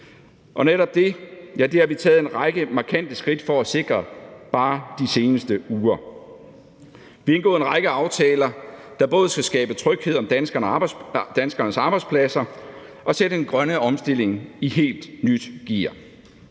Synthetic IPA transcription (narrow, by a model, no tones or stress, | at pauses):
ʔɒ̽neɾɒ̽b̥̚d̥e̝jæd̥eæʋit͡sʰɛːð̩ˠe̝nʁɑ̈ɪɡ̥əmɑ̈kʰæn̰d̥əsɡ̥ʁid̥fɒ̽æse̝ɡ̥ʁɐb̥ɑ̈ːd̥ise̝ːnəsd̥əuːɐ | ʋienɡ̥ɔ̰ːenʁɑ̈ɡ̥əɑ̈ʊt͡sʰɛːlɐd̥ɑ̈b̥ɔ̽ːð̞̩ˠsɡ̥æsɡ̥ɛːb̥ət͡sʰʁœɡ̥he̝ðˠɒ̽md̥ænsɡ̥ɐnd̥ænsɡ̥ɐnəsɑ̈ːb̥ɑɪ̥spʰlæsɐ | ʔɒ̽sedəenɡ̥ʁɶnəʔɒ̽msd̥e̝l̰e̝ŋiɦe̝̰ːld̥nyd̥ɡ̥iɐ